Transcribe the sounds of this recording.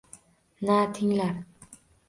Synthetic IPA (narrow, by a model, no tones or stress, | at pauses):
nat̪ʰiŋlar